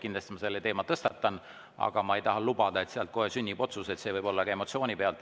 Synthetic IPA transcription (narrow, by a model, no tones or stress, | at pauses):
kind̪lɑst̪imɑse̞lːet̪eːmɑt̪ɤst̪ɑt̪ːˑɑn | ɑ̰ɡ̥ɑmɑejt̪ɑɦɑlubɑd̪̥ɑe̞t̪seɑlt̪̚ko̞ɦesynʲːib̥o̞t̪suse̞t̪se̞ːvɤjb̥o̞lːɑkɑe̞mo̞t̪sio̞ːnʲipeɑlt̪